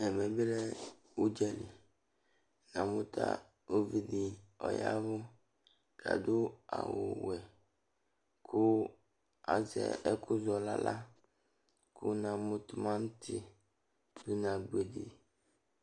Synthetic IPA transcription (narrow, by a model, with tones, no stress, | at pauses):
ɛ˨mɛ˨be˦lɛ˦ | wu˦d͡ʒɛ˨li˨ | nã˨mʊ̃˦t̪a̰˦ | o˦vi˨dɪ˨ɔ̰˨ja˦vʊ˦ | kʰa̰˨dʊ˦a̰˨wʊ̰˨wɛ˨ | kʰʊ˦ | a˨zɛ̰˨ɛ˦kʊ˦zɔ˨la̰˦la˦ | kʰʊ˦nã˨mʊ̃˦t̪mã˦n˦t̪ʰɪ˨ | bu˦nã˨ɡ͡be˨dḭ˨